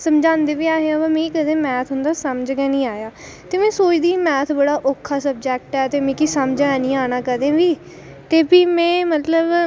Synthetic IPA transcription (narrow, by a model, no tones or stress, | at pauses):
səmd͡ʒãːnd̪eːʋiːaːɦeãːbamẽːkəd̪ẽːmɛːt̪ʰɦʊnd̪aːsəmd͡ʒɡɛ̃ːnĩːaːjaː | t̪eːmɛ̃ːsoːt͡ʃd̪iːmɛːt̪ʰbəɽaːʔoːkʰːaːsəb̚d͡ʒɛːk̚ʈɛːt̪eːmẽːkiːsəmd͡ʒanĩːaːnaːkəd̪ẽːʋiː | t̪eːpiːmɛ̃ːmət̪ləb